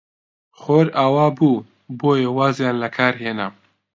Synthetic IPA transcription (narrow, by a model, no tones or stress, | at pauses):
xoːɾaːwaːbuː | boːjewaːzjaːnlɐkʰaːɾɦeːna